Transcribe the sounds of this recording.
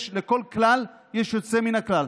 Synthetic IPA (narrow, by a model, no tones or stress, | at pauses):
ʃleko̞lklal | jeʃjo̞t͡se̞minaklal